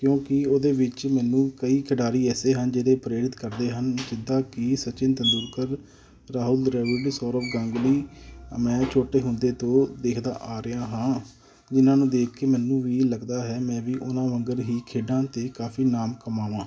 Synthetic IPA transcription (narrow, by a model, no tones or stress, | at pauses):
kjõːkɪoːd̪eːʋɪt͡ʃmɛːnũːkəiːkʰəɖaːɾiːɛːseːɦənd͡ʒeːɽeːpəɾeːɾɪt̪kəɾd̪eːɦənd͡ʒɪd̪aːkɪsət͡ʃɪnt̪ənd̪uːɾkəɾ | ɾaːɦʊlɾɛːʋɪɖsɔːɾəpɡãŋɡliːmɛ̃ːt͡ʃʰoːʈeːɦʊnd̪eːt̪õːd̪eːkʰd̪a̰ːʔaːɾəjãːɦãː | d͡ʒɪnãːnũːd̪eːkʰkːeːmɛːnũːʋiːləɡd̪aːɦɛːmɛ̃ːʋiːʔʊnãːʋəŋɡəɾɦiːkʰeːɖãːt̪eːkaːfʰiːnaːmkəmaːʋãː